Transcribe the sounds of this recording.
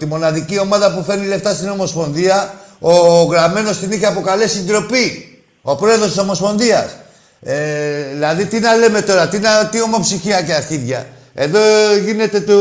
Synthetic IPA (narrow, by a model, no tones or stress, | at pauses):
t̪imo̞nɐðicio̞mɐðɐpufe̞ɾnile̞ft̪ɐst̪ino̞mo̞spo̞nðiɐoɣɾame̞no̞st̪iniçeɐpo̞kale̞sind̪ɾo̞pi | o̞pɾo̞eðost̪isomo̞spo̞nðiɐs | ðilɐðit̪inɐle̞me̞t̪o̞ɾɐt̪int̪io̞mo̞psiçiɐceaθiðʝɐ̰ | e̞ðo̞ʝine̞t̪e̞t̪o